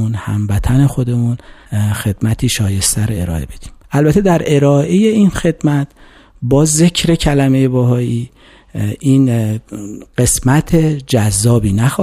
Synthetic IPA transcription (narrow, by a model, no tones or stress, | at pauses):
unhæ̰mvæt̪ʰæne̞xo̞d̪e̞munxe̞d̪̥mæt̪ʰiːʃɒːje̞st̪ʰæɾoe̞ɾɒ̰ːe̞be̞d̪̥i̥ːmʔælbæt̪ʰed̪æɾe̞ɾɒːʔe̞jeinxe̞d̪mæt̪ʰ | bɒːze̞cʰɾe̞cʰælæmeje̞bɒɦɒːʔiː | in | ɢ̥e̞smæt̪ʰe̞d͡ʒæzːɒːbiːnæxɒː